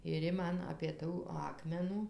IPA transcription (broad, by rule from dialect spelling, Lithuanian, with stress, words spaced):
ɪr ˈjɪ ˈmɐn ɐpʲeː ˈtuː ˈɑːkmʲɛnuː